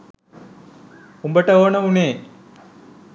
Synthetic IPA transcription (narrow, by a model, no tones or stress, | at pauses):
umbəʈɐoːnɐuneː